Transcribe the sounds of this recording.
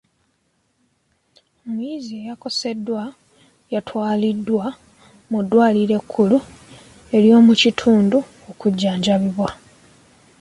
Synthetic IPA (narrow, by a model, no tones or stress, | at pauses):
omujiːzie̞jako̞se̞dːwa | jatwaːlidːwa | mudːwaːliɾe̞kʰːulu | e̞ljo̞ːmucitʰuːndu | okuɟːaːɲɟaβiβwa